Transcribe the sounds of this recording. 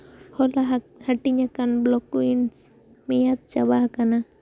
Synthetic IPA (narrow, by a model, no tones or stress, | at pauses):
holaɦhaʈiɲakanblɔkuins | mejat̪̚t͡ʃabahakana